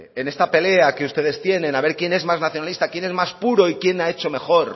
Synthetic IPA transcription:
ene̞st̪ape̞le̞ake̞ust̪e̞ð̞e̞st̪je̞nẽ̞naβ̞e̞ɾkje̞ne̞zmaznaθjonalist̪akje̞ne̞zmaspuɾo̞ikje̞nae̞t͡ʃo̞me̞xo̞ɾ

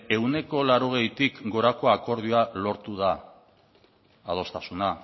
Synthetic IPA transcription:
e̞wne̞ko̞laɾo̞ɣ̞e̞jt̪ikɡo̞ɾako̞ako̞ɾð̞ioalo̞ɾt̪uða | ð̞o̞st̪asuna

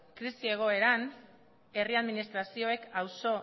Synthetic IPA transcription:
kɾisie̞ɣ̞o̞e̞ɾan | e̞riaðminist̪ɾasio̞e̞kawso̞

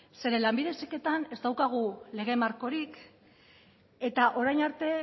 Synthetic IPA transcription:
se̞ɾe̞lambiðe̞seke̞t̪ane̞zt̪awkaɣ̞ule̞ɣ̞e̞maɾko̞ɾik | e̞t̪aʔo̞ɾajnaɾt̪e̞

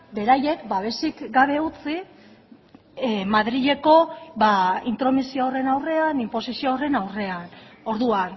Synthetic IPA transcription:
be̞ɾaje̞kbaβ̞e̞sikɡaβ̞e̞ut͡si | maðɾiʎe̞ko̞βaint̪ɾo̞misioːre̞nawre̞animpo̞sisioːre̞nawre̞ano̞ɾðuan

